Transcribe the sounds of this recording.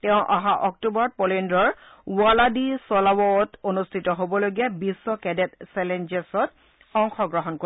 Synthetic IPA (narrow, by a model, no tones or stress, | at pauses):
tɛʊ̃ʔaɦaʔɔk̚tubɔɹɔt̚pɔlendɹɔɹ | waladisɔlawɔtonustʰitɔɦobɔloɡiɛbisːɔkɛdɛtsɛlend͡ʒesɔt | ɔŋxɔɡɹɔɦɔnko